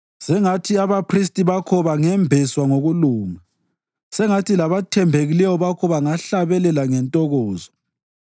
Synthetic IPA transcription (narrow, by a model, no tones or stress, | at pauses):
sɛŋatʰiaβapʰristʼiβakʰɔβaŋɛmbʱɛswaŋoɣuluːma | sɛŋatilaβatʰɛmbʱeɣilɛwɔβakʰɔβaŋaɬaβɛlɛlaŋɛntʼɔɣɔːzɔ